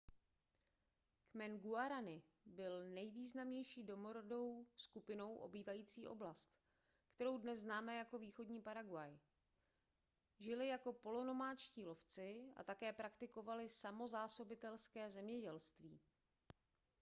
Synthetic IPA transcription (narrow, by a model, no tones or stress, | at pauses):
kmɛnɡuaɾanɪ | bɪlnɛjviːznamɲɛjʃiːdo̞mo̞ɾodo̞wskupɪno̞wʔo̞̰biːvajiːt͡siːʔo̞̰blast̪ | kt̪ɛɾo̞wdnɛzznaːmɛjako̞viːxo̞dɲiːpaɾaɡwaj | ʒɪlɪjako̞po̞lo̞no̞maːt͡ʃciːlo̞ft͡sɪa̰t̪akɛːpɾakt̪ɪko̞valɪsamo̞zaːso̞bɪt̪ɛlskɛːzɛmɲɛɟɛlst̪viː